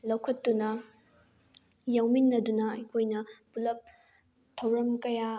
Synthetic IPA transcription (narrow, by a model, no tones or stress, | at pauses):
lɐwkʰɐtːunɐ | jɐwminːɐdunɐɐjkʰojnɐpulɐp̚ | tʰɐwɾɐmkɐja